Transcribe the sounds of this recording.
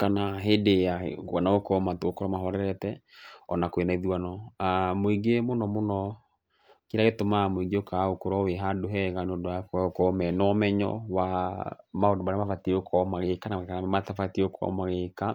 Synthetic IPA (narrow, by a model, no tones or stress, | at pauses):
kanaɦedea̰kwanaokɔmatookɔɾɔmaɦɔɾɛɾɛtɛɔnakwenaiðuanɔamoiɡemonɔmonɔ | kiɾaɣetomamoiɡeokaokoɾɔweɦadoɦɛɣanodoakoaokɔmɛnɔmɛɲɔ̰wa | maodomaɾamafatiokʰɔmaɣekanamakanamatafatiokʰɔ̰maɣeka